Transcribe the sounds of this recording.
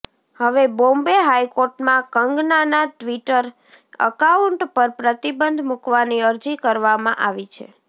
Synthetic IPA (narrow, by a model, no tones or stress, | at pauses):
həʋebõmbeɦajkoɾʈmãkəŋɡnanaʈʋiʈəɾ | ə̰kauɳʈpəɾpɾət̪ibənd̪ʱmukʋaniəɾd͡ʒikəɾʋamã̰ʔaʋit͡ʃʰḛ